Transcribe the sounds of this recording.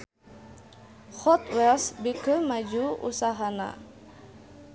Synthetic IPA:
xɔt̪wɛlsbikəmad͡ʒuṵsaɦana̰

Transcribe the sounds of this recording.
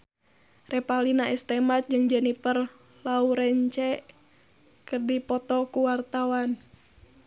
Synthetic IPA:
rɛpalinaist̪ɛmat̪̚d͡ʒɨŋd͡ʒənipər | lauɾɛɲt͡ʃɛʔ | kɨrdipɔt̪ɔkuwart̪awan

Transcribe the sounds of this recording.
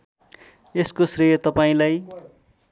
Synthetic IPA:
eskosrijʌt̪ʌpaĩlaj

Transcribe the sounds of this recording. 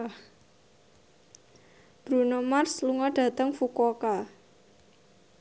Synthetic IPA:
b̥ɾunomarsluŋɔɖ̥ä̤t̪əŋfukɔka

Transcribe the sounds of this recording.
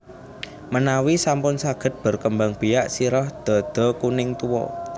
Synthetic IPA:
mənawisampʊnsaɡ̥ə̤t̪̚b̥ə̤rkəmbaŋb̥ijaʔsiɾɔhd̪̥ɔ̤d̪̥ɔ̤kunɪŋt̪uwɔ̰

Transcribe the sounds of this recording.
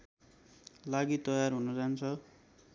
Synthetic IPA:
laɡit̪ʌjarɦunʌd͡zant͡sʰʌ

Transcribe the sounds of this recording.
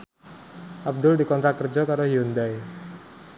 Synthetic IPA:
ʔab̚d̪ʊldikɔnt̪ɾat̚kərd͡ʒɔkaɾoɦiund̪aj

